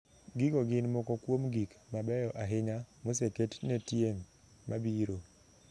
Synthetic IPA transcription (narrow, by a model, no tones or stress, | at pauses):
ɡɪɡɔɡɪnmɔkɔkwomɡikmabɛjɔʔaɦɪɲamoseketnetjeŋ | mabiɾo